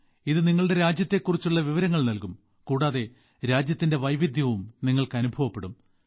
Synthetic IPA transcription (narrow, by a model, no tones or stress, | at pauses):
iðɨniŋːɐɭɽe̞ɾaːd͡ʑjɐt̪ːe̞kːurit͡ɕːuɭːɐʋiʋɐɾɐŋːɐɭnɐlkum | kuːɽaːðe̞ | ɾaːd͡ʑjɐt̪ːinde̞ʋɐjʋid̪ʱjɐʋumniŋːɐɭkɨɐnubʱɐʋɐpːe̞ɽum